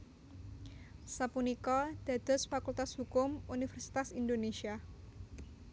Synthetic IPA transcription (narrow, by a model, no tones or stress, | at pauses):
sapunikɔd̥a̤d̪̥ɔsfakult̪ashukʊmunifɛrsi̥t̪asind̪onesia